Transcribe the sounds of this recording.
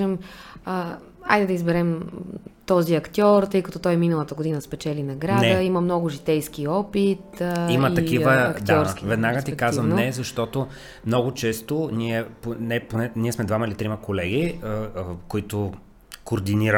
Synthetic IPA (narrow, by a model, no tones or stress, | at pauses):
ɛmə | a̰jd̪ɛd̪ɐizbɛɾɛmt̪ɔziɐkt̪ʲjɔɾt̪ɤjkɐt̪ɔt̪ɔjminəlˠət̪əɡod̪inəspɛt͡ʃɛlinɐɡɾad̪əiməmnɔɡʊʒit̪ɛjskiɔpit̪imət̪ɐkivəɐkd̪aɔɾsvɛd̪naɡət̪ikazvəmnɛzɐʃt̪ɔt̪o | mnɔɡʊt͡ʃɛst̪oniɛponɛponɛniɛsmɛd̪vamɐilit̪ɾimɐkolɛɡi | koit̪ʊ | koːɾd̪iniɾə